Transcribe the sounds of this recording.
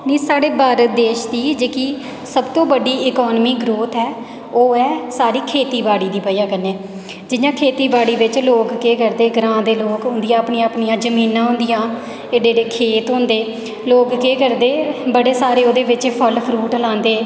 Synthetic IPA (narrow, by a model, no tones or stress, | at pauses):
nĩːsaːɽeːbaːɾət̪̚d̪eːʃd̪iːd͡ʒeːkiː | səbt̪õːbəɖiːɪkɔːnmiːɡɾoːt̪ɦɛː | oːɛːsaːɾiːkʰeːt̪iːbaːɽiːd̪iːpəjãːkəneː | d͡ʒɪjãːkʰeːt̪iːbaːɽiːʋɪt͡ʃloːkkeːkəɾd̪eːɡɾãːd̪eːloːkɦʊ̃nd̪ijãːəpɳiːãːpɳijãːd͡ʒəmiːnãːɦʊ̃nd̪ɪjãː | eːɽeːɾeːkʰeːt̪ɦʊ̃ːnd̪eː | loːkkeːkəɾd̪eːbəɽeːsaːɾeːoːd̪eːʋɪt͡ʃːpʰəlpʰɾuːʈlãːnd̪eː